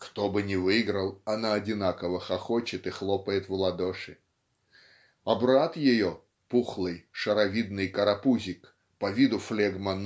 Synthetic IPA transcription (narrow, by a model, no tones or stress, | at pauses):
kt̪obɨnʲɪvɨɡɾəlˠɐnaɐdʲɪnakəvəxɐxot͡ɕɪt̪ɨxlˠɔpəjɪt̪vlˠɐd̪oʂɨ | ɐbɾat̪jɪjo | puxlˠɨjʂəɾɐvʲid̪̚nɨjkəɾɐpuzʲɪk | pɐvʲid̪ʊflʲɛɡmɐn